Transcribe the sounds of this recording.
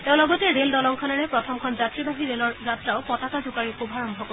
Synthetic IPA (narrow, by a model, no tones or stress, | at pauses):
tẽʊ̃lɔɡɔtɛɹeldɔlɔŋkʰɔnaɹɛpɹɔtʰɔmkʰɔnzatɹibaɦiɹelɔɹzatɹaʊpɔtakazukaɹixubʱaɹɔmbʱɔkɔ